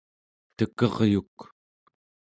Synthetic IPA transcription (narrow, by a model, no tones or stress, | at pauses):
t̪əkʌʁjuk